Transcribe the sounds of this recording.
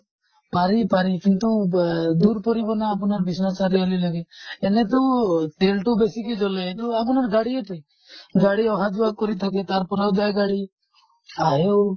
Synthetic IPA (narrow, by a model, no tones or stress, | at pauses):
paɾipaɾikint̪ud̪uɾpɔɾibɔnaːpɔnaɾbisasaɾiɔlilɔɡeːnet̪ut̪elʈubesiked͡ʒɔlet̪ɔap̬ɔnaɾɡaɽiet̪ʰɔj | ɡaɽiɔɦad͡ʒuakɔɾit̪ʰɔket̪aɾpɔɾawd͡ʒajɡaɽi | aɦew